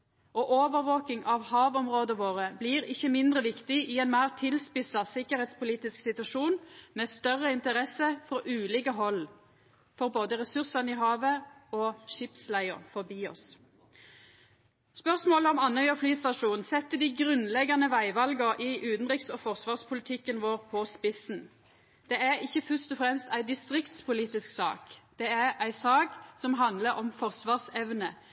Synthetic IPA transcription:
oːʔoːʋəʁʋoːkɪŋɑʋhɑːʋɔmʁoːd̪əʋoːʁəbliːʁɪçːəmɪnd̪ʁəʋɪkt̪ɪʔɪɛːnmæːʁt̪ʰɪlspɪsɑsɪkəʁhɛːt̪spʊliːt̪ɪsksɪt̪ʉɑʃuːnmɛːst̪œʁəɪnt̪əʁɛsːəfʁɔːʔʉːliːkəɦɔl | fɔʁboːd̪əʁɛsʉʁsɑnəiɦɑːʋəoːʃɪpslæɪʊ̰ʁfɔʁbiːɔ̰s | spœʁsmoːləɔmɑnːœʏəflyːst̪ɑʂuːnnsɛt̪ːəd̪ɪɡʁʉnlɛɡːɑnəʋæɪʋɑlɡəʁʔɪʔʉːt̪n̩ʁɪksɔfɔʁsʋɑːʁspʰʊlɪt̪ʰɪkːənʋoːʁpʰɔspɪsn | d̪̥ɛæʁɪçːəfœst̪ɔfʁɛmst̪æɪd̪ɪst̪ʁɪkt̪spʊliːt̪ɪsksɑ̰ːkd̪̥ɛæʁæɪsɑːksɔmɦɑnd̪ləɾɔmfɔʁsʋɑːʁsɛʋnə

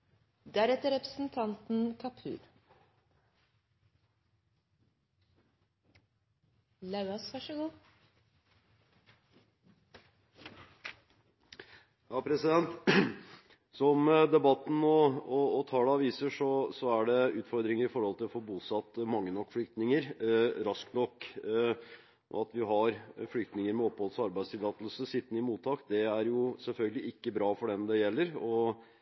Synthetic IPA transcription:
d̪æɾɛt̪ːəɾɛpɾəsn̩t̪ʰɑnt̪n̩kʰɑpʰʉ̰ːɾ | lɑʉɑsʋæʂɔɡuː | hɑːpʰɾɛsɪd̪ɛnt̪ | sɔmd̪ɛbɑt̪ːn̩ɔɔːt̪ʰɑːləɑʋiːsəʂɔsɔæɖɛʉːt̪fɔɾd̪ɾɪŋəɾɪfɔɾhɔlt̪ʰɪlɔfoːbuːsɑt̪ːmɑŋːənɔkːflʏkt̪nɪŋəɾɾɑskt̪nɔkː | ʔɔ̰ɑt̪ʋɪɦɑɾflʏkt̪nɪŋəɾmɛɔpːhɔlsɑɾbæɪst̪ʰɪlɑːt̪lsəsɪt̪ːnəɪmuːt̪ʰːɑːkd̪ɛæɾjʊsɛlfœlɡəlɪɪkːəbɾɑːfɔɖɛmd̪ɛjɛlːəɾɔ

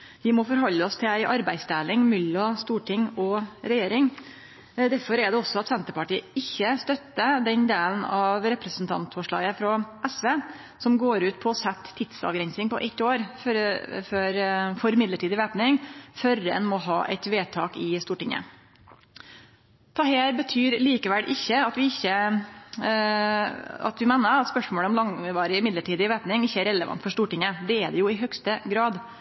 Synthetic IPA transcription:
ʋɪmɔfɔɾɦɔlːəɔst̪ʰɪlæɪʔɑɾbæɪsd̪æːlɪŋmʏlːɔst̪uːʈʰɪŋɔɾɛjeːɾɪŋ | d̪æɾfɔɾɛɖ̪ɛɔsɔɑt̪sɛnt̪əɾpɑʈiːəɪçːəst̪œt̪ːəd̪ɛnd̪eːln̩ɑʋɾɛpɾəsn̩t̪ʰɑ̰nt̪fɔʂɭɑ̰ːɡəfɾɔʔɛsʋeː | sɔmɡoːɾʉːt̪pʰɔːsɛt̪ʰːɪt̪sɑ̰ʋɡɾɛnsɪŋpɔʔɛt̪ːoːɾffœɾfɔɾmɪd̪ləʈʰiːd̪ɪʋeːpnɪŋfœɾəɛ̰nmɔɦɑ̰ːʔɛ̰ɪt̪ʋeːt̪ʰɑːkɪst̪uːʈɪŋːə̰ | t̪ʰɑːheːɾbət̪ʰyːɾliːkəʋɛlʔɪçːəɑt̪ʋɪɪçːə | ɑ̰t̪ʋɪmɛnːəɾɑt̪spœʂmoːləɔmlɑŋʋɑːɾɪɪmɪd̪ləʈʰiːd̪ɪʋeːpnɪŋɪçːəæɾɛləʋɑ̰nt̪fɔʂt̪uːʈɪŋəd̪ɛɛd̪ɛjʊɪɦœɡst̪əɡɾɑːd̪

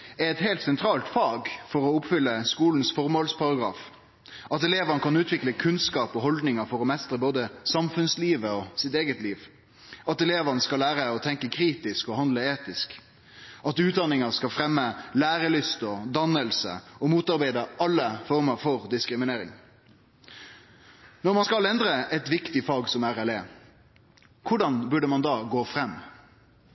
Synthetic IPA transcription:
ɛɾɛt̪hɛɪlt̪sɛnt̪ʰɾɑːlt̪fɑːɡfɔʁɔʊpfʏlːəskuːln̩sfɔɾmoːlspʰɑɾɑɡɾɑ̰ːf | ɑt̪ɛleːʋənəkʰɑnʉːt̪ʰʋɪkləkʰʉnskɑːpɔɦɔld̪nɪŋɑfɔɾɔmɛst̪ʁəboːd̪əsɑmfʉnsliːʋəɔsɪt̪eːɡət̪liːʋ | ɑt̪ɛleːʋɑnəskɑlæːɾəɔt̪ʰɛŋkəkʰɾiːt̪ɪskɔhɑnd̪ləeːt̪ɪsk | ɑt̪ʉːt̪̚d̪ɑnɪŋəskɑfɾɛmːəlæːɾəlʏst̪ɔd̪ɑnːəlsə̰ɔmuːt̪ɑʁbæɪd̪əɑlːəfɔʁməɾfɔʁd̪ɪskɾɪmɪneːɾɪ̰ŋ | nɔɾmɑnskɑlɛnd̪ɾəʔɛt̪ʋɪkt̪ɪfɑːɡsɔmæɾɛleː | kʰʊɖɑnbʉɖəmɑnd̪ɑːɡoːfɾɛmː

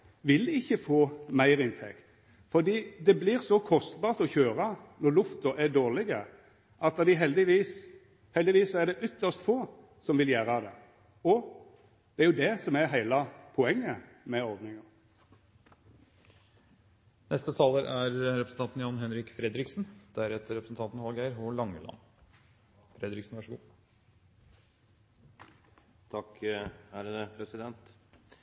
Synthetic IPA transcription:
ʋɪlɪçːəfoːmæɪɾɪnt̪ʰɛ̰kt̪ | fɔd̪iːd̪ɛbliːɾsɔkʰɔst̪bɑːɾt̪ɔçøːɾɑnɔlʊft̪əʔæɖ̪oːʁlɪɡə | ʔɑt̪d̪ɛd̪ɪɦɛld̪ɪʋiːs | hɛld̪ɪʋiːsːɔæɖ̪ɛʔʏt̪ʰːəst̪foː | sɔmʋɪljæːɾɑd̪ɛ̰ | ɔ | d̪ɛæɾjʊd̪ɛsɔmæɾɦæɪlɑpʰɔɛŋːə | mɛɔɾd̪nɪŋəʁ | nʔɛst̪ət̪ʰɑːləɾʔæɾɾɛpɾəsn̩t̪ʰɑnt̪njɑnɦɛnɾɪkfɾɛd̪ɾɪksnd̪̥æɾɛt̪ːəɾɛpɾəsn̩t̪ɑnt̪n̩hɑlɡæɪəɾɦʊlɑŋːəlɑ̰n | fɾɛd̪ɾɪksn̩ʋɑʂəɡuː | t̪ʰɑkhæːɾəd̪əpʰɾɛsɪd̪ɛnt̪

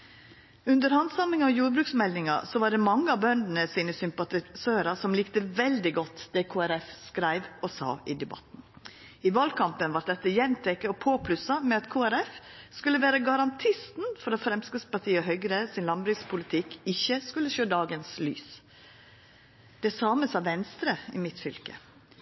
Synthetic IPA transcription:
ʉnd̪əɾhɑnd̪sɑmɪŋɔjuːɾbɾʉːksmɛlnɪŋɑ̰sɔʋɑːɖɛːmɑŋːəɑbœnd̪ənəsiːnəsʏmpɑt̪ɪsøːɾɑsɔmliːkt̪əʋɛld̪ɪɡɔt̪ːd̪ɛːkʰoːæɾɛfskɾæɪʋɔsɑ̰ːʔɪd̪ɛbɑ̰t̪n̩ | ɪʋɑlkʰɑmpənʋɑɾ̚d̪ɛt̪ːəjɛnt̪ʰɛkːəopʰoːpʰlʉsɑmɛɑt̪kʰuːæɾɛfskʉlːəʋæːɾəɡɑɾɑnt̪ʰɪst̪n̩fɔɾɔfɾɛmsɡəspɑʈʰiːəɔɦœʏɡɾəsɪnlɑnbɾʉːspʰʊlɪt̪ʰɪkɪçːəskʉləʃøːd̪ɑːɡənsly̰ːs | d̪̥ɛsɑːməsɑʋʋɛnst̪ɾəɪmɪt̪fʏlkə̰

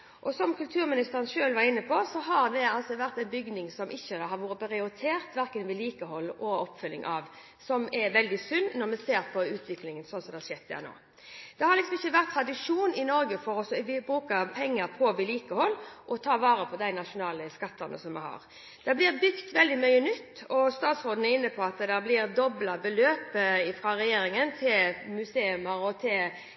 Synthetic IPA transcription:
ʔɔsɔmkʉlt̪ʰʉːɾmɪnɪst̪əʁənʃøːlʋɑɾɪnːəpʰɔsɔɦɑɾd̪ɛɑlsɔʋæʁt̪æɪbʏɡnɪŋsɔmʔɪçːəhɑɾʋuːɾəpʰʁɪʊɾɪt̪ʰeːʁt̪ʋæʁkənʋɪliːkəɦɔlːʔɔɔpːfʏlːɪ̰ŋʔɑ̰ːʋ | sɔmɛʋɛld̪ɪsʉnːɔɾmɛseːʁpʰɔʉːt̪ʰʋɪklɪŋənsɔnsɔmd̪ɛhɑʃɛt̪̚ʰːd̪æ̰no̰ː | d̪̥ɛhɑɾlɪksɔmɪçːəʋæʁt̪ʰːɾɑd̪ɪʂuːnɪnɔɾɡəfɔɾɔsɔʋɪbɾʉːkəpʰɛŋːəɾpʰɔʋɪliːkəhɔlːʔɔt̪ʰɑːʋɑːɾəpʰɔd̪æɪnɑʂʊnɑːləskɑt̪ʰːɑnə̰sɔmːɛ̰hɑ̰ːɾ | d̪̥ɛblɪːʁbʏɡt̪ʋɛld̪ɪmœʏənʏt̪ːɔst̪ɑːt̪sɾoːd̪ənɛɪnːəpʰɔɑt̪d̪ɛblɪɾd̪ɔblɑbəløːpəɪfɾɑɾɛjeːɾɪŋənt̪ʰɪlmʉseːʉməɾɔt̪ʰɪl

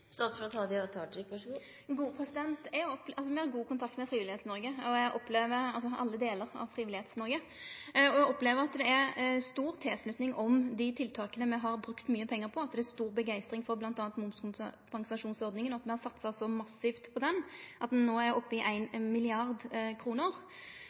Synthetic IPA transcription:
st̪ɑːt̪t̪ʰɑːd̪ɪɑt̪ʰɑʈɪkʋɑʂɡu | ɡuːəpʰɾɛsɪd̪ɛnt̪ɛɔpːʔɑlsɔmɛæʁɡuːkʊnt̪ʰɑk̚t̪mɛfɾiːʋɪlɪheːt̪snɔɾɡəɔɛɡʔɔpːleːʋəɾɑlsɔʔɑ̰lːəd̪eːləʁɑ̰ʋfɾiːɪlɪheːt̪snɔɾɡə | ɔjɛɡɔpleːʋəɾɑt̪d̪ɛæɾst̪uːɾt̪ʰeːslʉt̪nɪŋʔɔmd̪ɪt̪ʰɪlt̪ʰɑːkənəmɛɦɑɾbɾʉkt̪myːəpʰɛŋːəɾpʰɔɑt̪̚d̪ɛæst̪uːʁbəɡæɪst̪ɾɪŋfɔɾblɑnt̪ɑːnt̪mʊmskʊmpʰɑŋsɑʂuːnsɔɾd̪nɪŋənɔɑt̪mɛhɑɾsɑt̪sɑsɔmɑsːɪft̪pʰɔd̪ɛnʔɑt̪d̪ɛnːoːæɾɔpːəɪʔæɪnmɪlɪɑʁd̪kʰɾuːnəɾ

